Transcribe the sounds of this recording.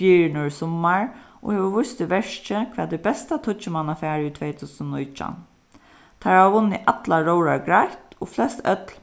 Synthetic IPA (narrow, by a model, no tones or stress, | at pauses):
iːɾɪnɔɹsɔmaɹʔɔ̰heːʋəʋʊst̪ɪʋɛʂt͡ʃəkʰʋɛːd̪ɪbɛst̪at̪ʰʊt͡ʃːɪmanafæːɹit̪ʰʋeːt̪ʰuːsnnʊjt͡ʃa̰n | t̪ʰaɹaʋʋʊnːɪʔat̪laɹoʊɹaɹɡɹajt̪ɔflɛst̪œt̪l